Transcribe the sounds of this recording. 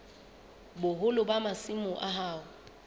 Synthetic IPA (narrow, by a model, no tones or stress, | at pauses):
bʊɦʊlʊbamasimʊʔaɦaːʊ